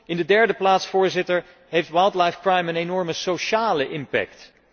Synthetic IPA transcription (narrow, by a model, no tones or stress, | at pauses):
ɪndədɛɹdəplaːtsfʊːɹzɪtəɹ | ɦejftwajlˠtlajfkɹajmənenɔɹməsoʃaːləʔɪmpɛ̰k̚t